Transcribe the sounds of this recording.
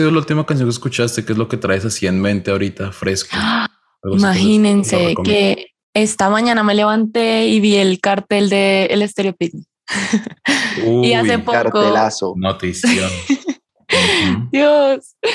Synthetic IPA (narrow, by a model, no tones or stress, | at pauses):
iðolault̪imakans̬joŋkeskut͡ʃast̪ekezloket̪ɾaesasienmẽnt̪eaoɾit̪afɾesko | aɣimaxinensekke | est̪amãɲãname̞le̞βant̪e̞iβielkaɾt̪e̞ld̪e̞ːlest̪eɾjopit̪n | uiasepoɾtkoelasonot̪isa | d̪jos